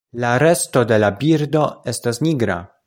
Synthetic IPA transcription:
laɾe̞sto̞de̞labiɾdo̞e̞stasniɡɾa̰

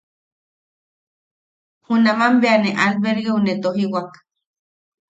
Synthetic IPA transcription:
hunamambeaneʔalβeɾɣeunet̪oɦiwak

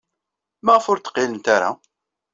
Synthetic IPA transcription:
mæʁəfʊɾt̪ə̥qːɪlənt̪aɾa̰

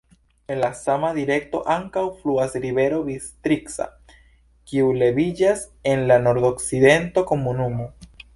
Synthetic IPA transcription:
enlasamaðiɾek̚t̪o̰ʔaŋkawfluasɾiβeɾoβist̪ɾiksa̰ | kiuleβiʎas | enlanoɾðoksiðent̪okomunumo

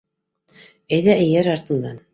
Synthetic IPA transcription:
æjðæʔɘ̆jæɾɑɾt̪ɤ̆nd̪ɑn

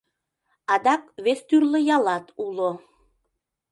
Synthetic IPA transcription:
ɑd̪ɑkβest̪yrlə̆jɑlɑt̪ulo

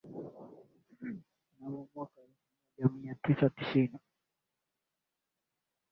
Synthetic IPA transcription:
nawɔmwakaifiaʄamiatisatisini

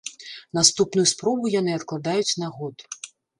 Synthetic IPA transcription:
nast̪upnujuspɾɔbujanɨɐt̪klˠad̪ajut͡sʲnaɣɔt̪

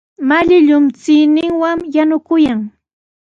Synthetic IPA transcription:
maʎɪʎʊmt͡sɪnɪŋwaŋjanʊkʊjaŋ

